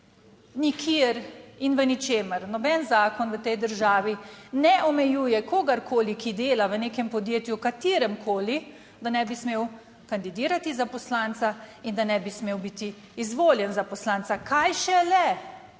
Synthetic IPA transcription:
nikʰiɾinʋənit͡ʃeːməɾnɔbɛnzaːkɔnʋət̪ɛjd̪əɾʒaːʋinɛʔɔmɛjuːjɛkoːɡaɾkʰoːlikid̪eːlaʋəneːkɛmpɔd̪jeːt̪jukat̪iːɾɛmkʰoːli | d̪anɛbismeːw | kand̪id̪iːɾat̪izapɔslaːnt̪saind̪anɛbismeːwbit̪iː | zʋoːljɛnzapɔslaːnt̪sakajʃɛlɛ

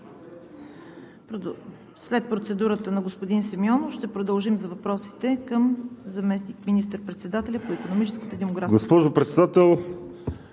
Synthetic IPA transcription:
slɛt̪̚pɾot̪sɛd̪uɾət̪ənɐɡospod̪insɐmjɔnoʃt̪ɛpɾod̪əlˠʒimzɐvɐpɾɔsi̥t̪ɛkəmzɐmɛsnikminist̪əɾpɾɛt̪sɛd̪at̪ɛlʲɐpoikonomit͡ʃɛskət̪əd̪ɛmoɡɾaɡospɔʒopɾɛt̪sɛd̪at̪ɛlˠ

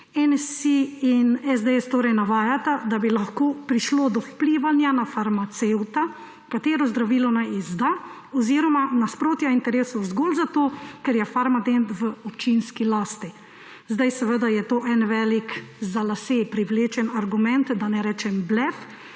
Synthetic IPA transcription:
ɛnsiinɛzd̪eɛst̪oːɾɛjnaʋaːjat̪ad̪abilaxkoːpɾiʃloːd̪ɔwpliːʋanjanafaɾmat̪sewt̪a | kat̪eːɾɔzd̪ɾaʋiːlɔnajizd̪a | ɔziːɾɔmanaspɾoːt̪jaint̪ɛɾeːsɔzɡoːlzat̪oːkɛɾjɛfaɾmad̪ent̪ʋəɔpt͡ʃinskilaːst̪i | zd̪ajsɛʋəd̪ajɛt̪oːʔɛnʋɛːlikzalasepɾiʋleːt͡ʃɛnaɾɡumɛnt̪d̪anɛɾɛːt͡ʃɛmblɛf

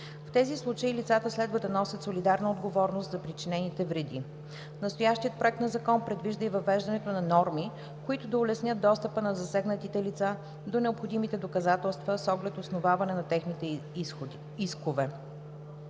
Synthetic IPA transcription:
ft̪ɛzislˠut͡ʃəilit̪sat̪əslɛd̪vəd̪ɐnɔsʲət̪solid̪aɾnɐod̪ɡovɔɾnost̪zɐpɾit͡ʃinɛnit̪ɛvɾɛd̪ḭ | nɐst̪ojaʃt̪iət̪̚pɾoɛk̚t̪nɐzɐkɔnpɾɛd̪viʒd̪əivɐvɛʒd̪ɐnɛt̪onɐnɔɾmi | koit̪ʊd̪ɐʊlɛsnʲjɤt̪̚d̪ɔst̪əpənɐzɐsɛɡnət̪it̪ɛlit̪sa | d̪onɛopxod̪imit̪ɛd̪okɐzat̪ɛlˠst̪vəsɔɡlɛt̪osnovavɐnɛnɐt̪ɛxnit̪ɛ | iskovɛ

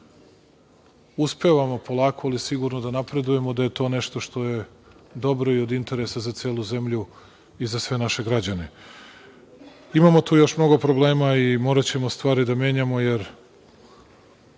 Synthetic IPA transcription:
uspeʋamo̞po̞lˠaːko̞alisiɡuɾnod̪anapɾe̞d̪uje̞mo̞d̪aje̞t̪o̞ːne̞ʃt̪o̞ʃt̪o̞je̞ | d̪o̞bɾo̞io̞d̪int̪e̞ɾesazat̪seːlˠuze̞mʎu | izasʋe̞naʃe̞ɡɾad͡ʑane | imamo̞t̪uːjo̞ʃmno̞ɡo̞pɾo̞ble̞ːmaimo̞ːɾat͡ɕe̞mo̞st̪ʋaːɾid̪amje̞ːɲamo̞je̞ɾ

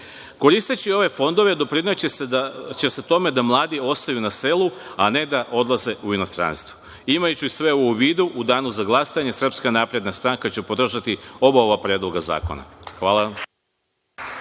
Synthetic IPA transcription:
ko̞ɾist̪et͡ɕio̞ʋe̞fo̞nd̪o̞ʋe̞d̪o̞pɾinat͡ɕet͡ʃe̞se̞t̪o̞me̞d̪amlˠaːd̪io̞st̪ajunase̞luane̞d̪aʔo̞d̪lˠaze̞ʔuino̞st̪ɾa̰nst̪ʋu̥ | imajut͡ɕusʋe̞oʋouʋiːd̪uʔud̪aːnuzaɡlˠasaɲe̞sr̩pskanapɾe̞d̪nast̪ɾaŋkat͡ɕepo̞d̪r̩ʒat̪io̞bao̞ʋapɾe̞ːd̪loɡaza̰ːko̰na̰xʋaːlˠaʋam

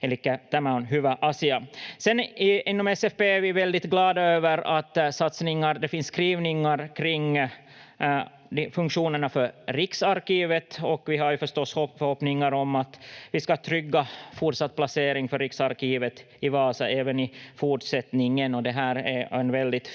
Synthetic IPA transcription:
ɛlikːət̪amaʊnɦʉːvəʔɑːsɪasɛnɪɪnːɔmɛsɛfbeːæɾvɪvɛld̪ɪt̪ɡlɑːd̪aøːvəɾa̰t̪sat̪snɪŋːaɾd̪ɛfɪnsːkɾiːvnɪŋaɾkʰɾɪŋː | d̪fɵŋkʂuːnəɳafœɾɾɪksaɾkiːvət̪ɔkvɪɦaɾjʉfœʂt̪ɔsːhɔfœɾhɔpnɪŋaɾɔmat̪vɪskat̪ʰɾʏɡːafʊʈsat̪̚ːpʰlaseːɾɪŋfœɾːɪksaɾkiːvət̪ | ɪvɑːsɑʔeːvənɪfuʈʂɛt̪nɪŋənɔd̪ɛɦæːɾæɛnvɛld̪ɪt̪

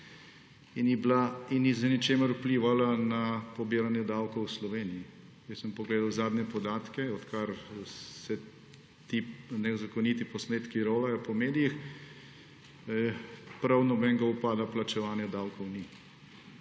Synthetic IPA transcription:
iniblainːizənɛt͡ʃeːməɾupliːʋalanapɔbiːɾanjɛd̪awkɔwslɔʋeːnii | jɛsəmpɔɡleːd̪awzaːd̪nɛpɔd̪aːt̪kɛɔt̪kaɾsɛ | t̪inɛzakɔnit̪ipɔsmeːt̪kiɾoːʋajɔpɔmeːd̪ijix | pɾawnɔbɛŋɡaupaːd̪aplat͡ʃɛʋaːnjɛd̪awkɔwni

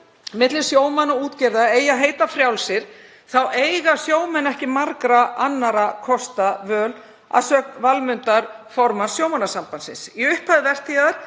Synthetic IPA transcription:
mɪt̪lɪsjoːwmanauːt̪cɛɾðaeːjaɦeːjt̪afɾjawlsɪɾ̥ | θawʔeːjɣasjoːwmɛnɛhcɪmaɾkɾaʔanːaɾakʰɔst̪avœːl | a̰ðsœːk̪valmʏnt̪aɾfɔɾmansjoːwmanːasampansɪ̰nsiʏhpʰaðɪvɛr̥t̪ʰiɣaðaɾ̥

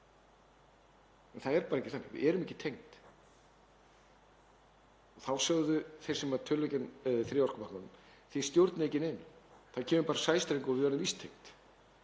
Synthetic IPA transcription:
ɛnθaðɛɾpaːɾaɛcɪ̥θanːɪ̰ɣvɪ̰ðɛɾʏmɛhcːɪ̥t̪ʰejŋt̪ | ɔɣθawsœɣðʏθej̥sɛmat̪ʰʏlːɛcɪnθɾɪɔr̥kamahknan | θist̪jowɾt̪nɪejcɪnenθacʰɛːmʏpaːɾasaːjst̪ɾejŋkɔvɪðɛɾʏmvist̪ʰːejŋt̪

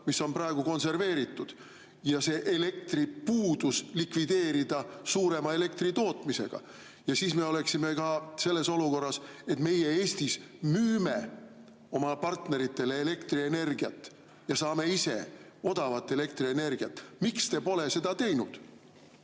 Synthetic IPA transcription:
misːo̞nprɑe̞ɡ̥uko̞nse̞rve̞ːɾit̪ːˑud̪̥ | jɑse̞ːʔele̞k̚t̪ripuːd̪̥uslikvid̪e̞ːɾid̪̥ɑsuːɾe̞mɑe̞le̞k̚t̪rit̪o̞ːt̪ˑmise̞̰ɡ̥ɑ̰ | jɑsiːsme̞o̞le̞ksime̞kɑse̞lːe̞so̞luko̞rːɑse̞t̪me̞jee̞ːsʲt̪ismyːme | o̞mɑpɑrt̪ne̞ɾit̪ːˑe̞le̞ːle̞kt̪riene̞rɡ̥iɑt̪ːˑ | jɑsɑːme̞ise̞̰ | o̞d̪̥ɑvɑt̪ːe̞le̞kt̪rie̞ne̞rɡiɑt̪ːˑmikst̪e̞po̞le̞se̞d̪̥ɑt̪e̞jnud̪̥

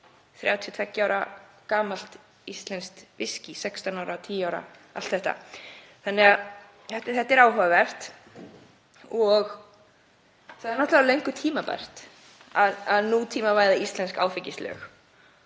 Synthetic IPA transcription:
θɾjaːwt̪ʰjʏt̪ʰɛcːɪaːwɾakaːmal̥t̪ | ist̪lɛnst̪vɪscisɛkst̪anawɾat̪ʰiːjaːwɾa̰a̰lt̪θɛht̪a̰θanːɛɣað | ɛht̪ɪθɛht̪ːɛɾaːwɦavavɛr̥t̪ | ɔɣ | θaðɛɾnɔht̪lavɾlejŋkʏt̪ʰiːmapa̰jr̥t̪ | aðaðnut̪ʰiːmavaːjðaist̪lɛnska̰ːwfɪcːislœ̰ːx

